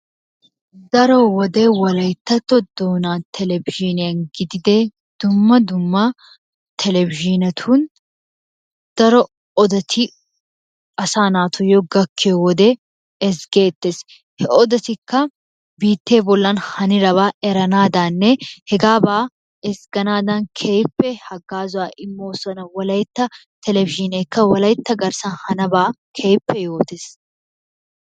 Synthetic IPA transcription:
d̪ɐɾɔwɔd̪eːwɐlɐjt̪ːɐt̪ːɔd̪̥oːnaːt̪ʰɛlɛvɪʒɪnɪjɐnɡɪd̪ɪd̪e | d̪̥ʊmːɐd̪ʊmːɐ | t̪ʰɛlɛvɪʒɪnɐt̪ʰuːn | d̪̥ɐɾɔ | ɔd̪ɐt̪ʰɪ | ɐsaːnaːt̪ʰʊjɔɡɐkʰːeɔwɔd̪ɛ | ɛsɡeːt̪ːeːs | hɛʔɔd̪ɐt̪ɪkːɐ | biːt̪ːe̞ːbɔlːɐnhɐnɪɾɐβaːɛɾɐnaːd̪aːnːɛhɛɡaːbaː | ɛsɡɐnaːd̪ɐnkʰejpːɛhɐɡaːzʊaːʔɪmːoːsɐnɐwɐlɐjt̪ːɐ | t̪ʰɛlɛvɪʒɪneːkːɐwɐlɐjt̪ːɐɡɐɾsɐnhɐnɐbaːkʰeːpːɛjo̞ːt̪es

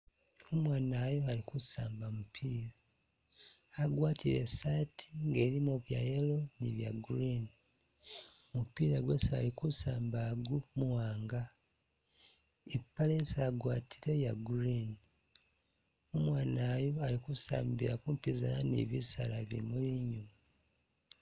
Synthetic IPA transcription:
omwaːnaːjo̞alikusaːmbamupʰiːɾa | aɡwaːtʰiɾe̞̰saːtʰiŋɡe̞ːɾimoβjajelo̞niβja̰ɡuɾini | mupiːɾaɡwesaa̰likusaːmbaɡumuwaːŋɡa | epːalesaɡwaːtʰiɾe̞jaɡuɾini | umwaːnaːjoalikusa̰ːmbiɾakuːmpizalanḭβisalaβḭmuliɲuma

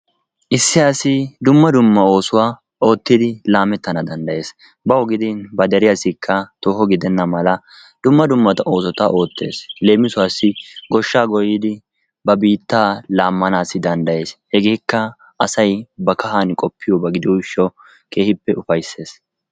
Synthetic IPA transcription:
ʔɪsːɪaːsɪd̪ʊmːɐd̪ʊmːɐo̞ːsʊwaː | o̞ːt̪ːɪd̪ɪlaːmɛt̪ːɐnɐd̪ɐnd̪ɐje̞ːs | bɐɔɡɪd̪ɪnbɐd̪ɛɾɪjasɪkʰːɐt̪oːhɔɡɪd̪ɛnːɐmɐlɐ | d̪̥ʊmːɐd̪ʊmːɐt̪ɐʔo̞ːsɔt̪aʔo̞ːt̪ːe̞̰ːsle̞ːmɪsʊwaːsːɪɡɔʃːaːɡɔjɪd̪ɪ | bɐbiːt̪ːaːlaːmːɐnaːsɪd̪ɐnd̪ɐje̞ːshɛɡeːkːɐ | ɐsɐjbɐkɐɦankʼɔpːɪjɔbɐɡɪd̪ɪɔɪʃːɔ | ke̞ːhɪpːɛʔʊfɐjsːe̞ːs

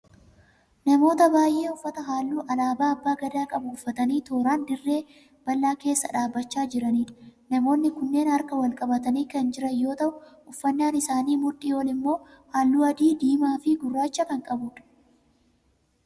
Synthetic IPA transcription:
nɐmo̞ːt̪ɐbaːjʔeːʊfːɐt̪ɐɦaːlːuːʔɐlaːbaːɐbːaːɡɐd̪aːkʼɐbuːfːɐt̪ɐniːt̪o̞ːɾaːnd̪ɪrːe̞ː | b̥ɐlːaːke̞ːsːɐᶑaːbːɐt͡ʃːaːd͡ʒɪɾɐniːᶑɐ̥nɐmo̞ːnːɪkʊnːe̞ːnɐɾkɐwɐlkʼɐbɐt̪ɐniːkɐnd͡ʒɪɾɐjo̞ːt̪ɐʔʊ | ʊfːɐnːaːnɪsaːniːmʊᶑɪɔlɪmːo̞ːhaːlːuːɐd̪iːd̪iːmaːfɪɡʊrːaːt͡ʃːɐkɐŋkʼɐbʊːᶑɐ̥

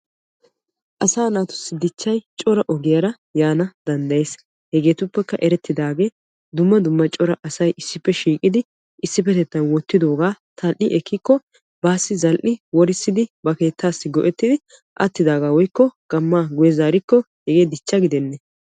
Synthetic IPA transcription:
ʔɐsaːnaːt̪ʊ̥sːɪd̪ɪt͡ʃːɐjt͡ʃʼɔɾɐʔɔɡɪjɐɾɐ | jaːnɐd̪ɐnd̪ɐjeːs | hɛɡe̞ːt̪ʊpːɛkːɐʔɛɾɛt̪ːɪd̪aːɡe̞ː | d̪ʊmːɐd̪ʊmːɐt͡ʃʼɔɾɐʔɐsɐjʔɪsːɪpːɛʃiːkʼɪd̪ɪ | ɪsːɪpːɛt̪ɛt̪ːɐnwɔt̪ːɪd̪o̞ːɡaːt̪ʰɐlʔɪʔɛkːɪkːɔ | baːsːɪzɐlʔɪwɔɾɪsːɪd̪ɪbɐke̞ːt̪ʰːaːsːɪɡɔ̰ʔɛt̪ːɪd̪ɪ | ʔɐ̰t̪ːɪd̪aːɡaːwɔjkːɔɡ̥ɐmːaːɡʊjɛzaːɾɪkːɔ | hɛɡe̞ːd̪ɪt͡ʃːɐɡɪd̪ɛnːɛ

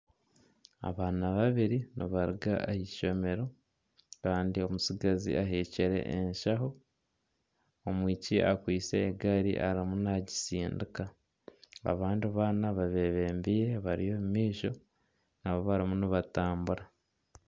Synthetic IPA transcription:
a̰βaːnaβaβiɾiniβaɾiɡa̰ehiʃo̞me̞ɾo̞ | kaːndio̞musiɡazḭʔaɦeːceɾe̞̰ʔeɲʃaɦo̞ | omwiːcia̰kwiːse̞ːɡaɾḭʔaɾimunaɟi̥siːndika | a̰βaːndiβaːnaβaβe̞βe̞ːmbiːɾeβaɾijo̞mmiːʃo̞ | naβoβaɾimuniβataːmbuɾa

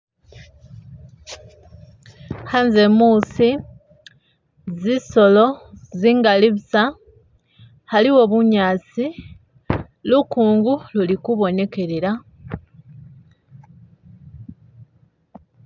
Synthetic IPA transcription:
hanze̞muːsi | ziso̞lo̞ziːŋɡaliβusa | haliwo̞βuɲaːt͡si | lukuːŋɡululikuβo̞ne̞ke̞ɾeɾa

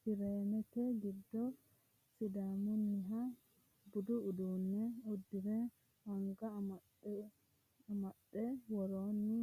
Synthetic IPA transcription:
fiɾeːnɛt̪ɛɡɪd̪ːɔ | sid̪amunːɪɦa | bʊd̪uʊd̪uːnːɛɔd̪ːɪɾɛ | aŋɡa | mɐɗɛwɔɾoːnːu

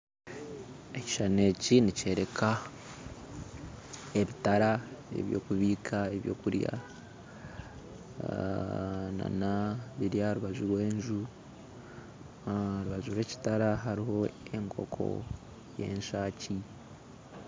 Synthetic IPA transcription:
e̞ci̥ʃane̞ːcinice̞ːɾe̞kʰa | e̞βitaɾae̞̰βjo̞ːkuβiːkʰaeβjo̞̰ːkuɾja̰ | na̰naβiɾjaɾuβazuɾwe̞ːɲʒu | ɾuβaʒuɾwe̞ːci̥taɾaɦaɾiho̞e̞ŋkʰo̞̰kʰo̞̰ | je̞̰ːɲʃaːci

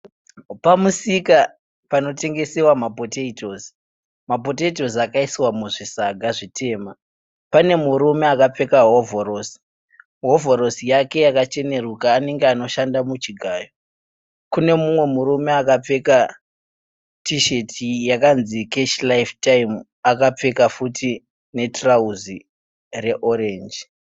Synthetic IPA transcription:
pamusika | pano̞te̞ŋɡe̞sewamapoteito̞zi̥ | mapo̞teit̬o̞zakaisiwamuʐisaɡʱaʐitʰe̞ːma | pane̞muɾume̞akap͡fe̞kaɦovoɾosi̥ | ɦo̞voɾo̞sijake̞jakat͡ʃe̞ne̞rukaːne̞ŋɡeano̞ʃandamut͡ʃiɡʱaːjo | kune̞mumwe̞muɾume̞akap͡fe̞ka | tiʃe̞tʰijakanzikeʃlaiftaim | akap͡fe̞kafuti | ne̞trauzi | re̞ʔoɾe̞ːnd͡ʒi

